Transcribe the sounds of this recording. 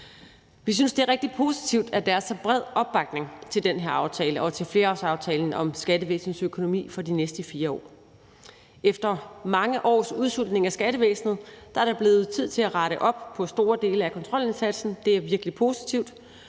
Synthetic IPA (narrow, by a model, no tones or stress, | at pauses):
ʋis̬ynsd̥e̝æɐʁeɡ̥̚d̥i̥pʰo̝si̥t͡sʰiʊ̰d̥æd̥æɐsb̥ʁɛð̞̰ˠɒ̽b̥ːɑ̈ɡ̥̚ne̝ŋt͡sʰe̝ld̥enɦeɐɑ̈ʊt͡sʰɛːləʔɒ̽t͡sʰe̝lfle̝ːɒsɑ̈ʊt͡sʰɛːln̩ɒ̽msɡ̥ædəʋḛːsn̩søkʰo̝no̝mḭːfɒ̽d̥inesd̥əfiːɐɒ̰ː | efd̥ɐmɑ̈ŋəʔɒ̰ːsuðˠsul̰d̥ne̝ŋæsɡ̥æɾəʋḛːsn̩ð̩ˠd̥ɑ̈æɐɾ̥ɑ̈b̥le̝ːð̩ˠt͡sʰið̞̰ˠt͡sʰe̝læʁɑ̈ɾəʔɒ̽b̥̚pʰɒ̽sd̥o̝ːɐd̥e̝ːləækʰɒ̽nt͡sʰʁɒ̽l̰e̝nsæd̥sn̩d̥e̝æɐʋiɐɡ̥əlipʰo̝si̥t͡sʰiʊd̥